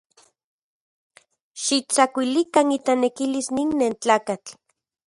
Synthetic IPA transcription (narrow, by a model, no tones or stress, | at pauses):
ʃit͡sakʷilikanit̪anekilisninːent͡ɬaːkat͡ɬ